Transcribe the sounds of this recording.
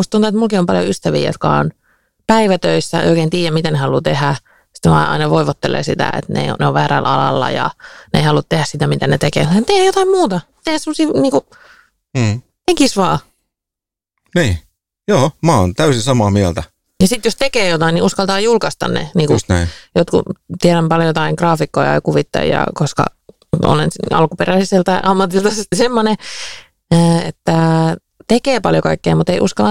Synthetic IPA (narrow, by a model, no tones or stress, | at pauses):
must̪unt̪uet̪mulkiompɑljo̰yst̪æʋḭːjo̰t̪kɑ̰o̰n | pæiʋæt̪øisːæḛoikeːnt̪iːjæmit̪ænehɑlut̪ehæ | si̥t̪ʋɑ̰ːʔɑ̰inɑʋoiʋot̪ːelḛːsit̪æ̰ḛt̪nḛo̰neoʋʋæːɾæ̰lɑ̰lɑ̰lːɑ̰jɑ̰nḛˑihɑlut̪t̪ehæssit̪æmit̪ænet̪ekḛːæt̪ehæjot̪ɑimmuːt̪ɑ | t̪ehæsemːosiːniːkuː | t̪ekisʋɑː | niː | joːmæːo̰nt̪æysinsɑmɑːmiælt̪æ | jɑsit̪jost̪ekeːjot̪ɑiniʔuskɑlt̪ɑːjulkɑst̪ɑ̰nnḛniːkusnːjot̪kṵt̪ieɾæmpɑljojot̪ɑiŋkrɑːfikːojɑ̰jkuʋit̪ːɑ̰jjɑ̰koskɑ̰ | o̰lensɑ̰lkuperælisielt̪ɑiʔɑmːɑt̪ilt̪ɑssemːoneː | et̪ːæ | t̪ekeːpɑljokɑikːeːmut̪eiʔuskɑlːɑ